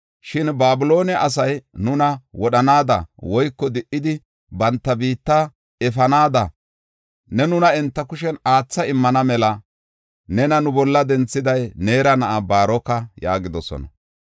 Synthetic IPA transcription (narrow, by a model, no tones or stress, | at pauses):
ʃɪnbaːbɪlo̞ːnɪɐʔɐs̬ɐjnʊnɐwɔɗɐnaːd̪ɐ̰wɔjkːɔd̪ɪʔːɪd̪ɪ | bɐnt̪ːɐbiːt̪ːa | ɛfɐnaːd̪ɐ | nɛnʊnɐɛnt̪ːɐkʊʃɛnaːt͡sːɐɪmːɐnɐmɛlɐ | nɛnɐnʊbɔlːɐd̪ɛnt͡sːɪd̪ɐjne̞ːɾɐnɐʔabaːɾɔkːɐja̰ːɡɪd̪ɔsɔ̰nɐ̰